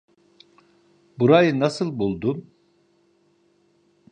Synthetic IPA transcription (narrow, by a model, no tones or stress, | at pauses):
buɾajɯnasɯlˠbulˠd̪um